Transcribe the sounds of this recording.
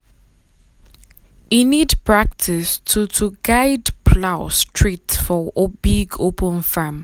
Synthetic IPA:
inidpʰɹak̚tʰɪstʰutʰuɡaɪdpʰlaʊstʰɹitfɔʔobiɡopʰə̃nfãm

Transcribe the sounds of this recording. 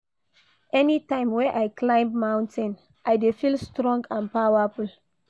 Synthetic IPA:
ʔɛnitãɪ̃mwɛ̃ʔajkʰlãɪ̃mmãʊ̃ntɛ̃n | ʔajdefilstɾɔ̃ŋɡãnpaaful

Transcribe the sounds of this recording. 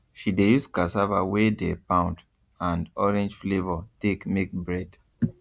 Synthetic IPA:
ʃidejuskasava̰wedepãʊ̃nt | ãndɔɹɛ̃nd͡ʒflevɔtekmek̚bɹɛd

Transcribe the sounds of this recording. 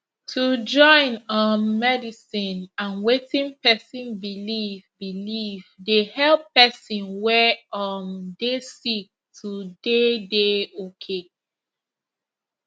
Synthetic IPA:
tʰud͡ʒɔ̃ɪ̃nɔnːɛdisĩnãnwetĩnpɛsĩnbilivbilivdehɛlpɛsĩnwɛɔndesik̚tʰudedeokʰe

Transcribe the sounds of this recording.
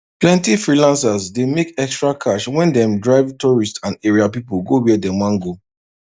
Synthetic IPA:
plɛ̃ntifɹilãnsazdemekɛkstɹakʰaʃwɛ̃ndɛ̃mdɹaɪvtɔɹistsãndeɹiapipuɡowiɛdɛ̃mwãŋɡo

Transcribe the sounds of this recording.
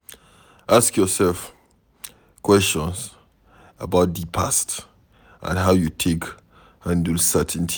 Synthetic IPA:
ʔaskjɔsɛlf | kwɛstɔ̃ns | əbaʊt̚dipʰast | ʔã̰nɦaʊjutʰek | hãndəlsɛtʰntʰi

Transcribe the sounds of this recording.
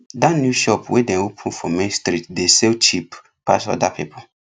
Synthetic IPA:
danjuʃɔpwedɛ̃nopʰũn̩fɔ̃mẽnstɾitdesɛlt͡ʃip | pa̰sɔ̰dapʰḭpʰo

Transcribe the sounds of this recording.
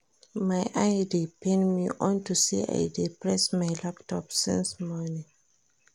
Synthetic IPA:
majʔajdepʰẽnmḭʔɔ̃ntusḭa̰jdepɹɛsmajlaptʰɔpsḭ̃nsmɔnĩŋ

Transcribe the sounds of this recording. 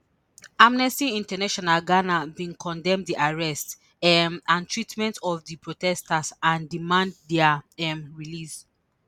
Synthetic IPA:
amnɛstiĩntanaʃɔnalɡanavĩnkʰɔ̃ndɛ̃mdiʔaɹɛst | ɛmãntʰɹitmɛ̃ntɔvdipɹotɛstasãndimãnddɛaɛmɹilis

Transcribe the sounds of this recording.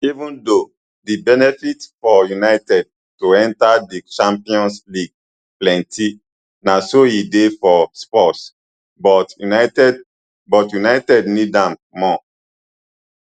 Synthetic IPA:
ivũndo | dibɛnɛfitfɔjunaɪtɛd̚ | toɛ̃ntadit͡ʃãmpiɔ̃nsliɡ̚ | plɛ̃ntʰi | nasojidefɔspɔts | bɔtnatɛd | bɔtjunaɪtɛdnidãmːɔ

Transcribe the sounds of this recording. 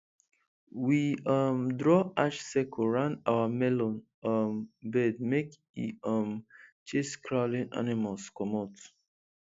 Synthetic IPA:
wiʌmdɹɔaʃsɛkʰoɹãndawamɛlɔ̃n | ʌmbɛd̚mek | ḭʌmt͡ʃeskʰɹaʊlĩna̰nimalskɔmɔt

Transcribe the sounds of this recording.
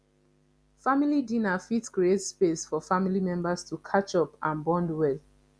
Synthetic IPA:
familidĩnafitskɹietspesfɔfamilimɛ̃mbastʰukʰat͡ʃɔpãnbɔ̃ndwɛl

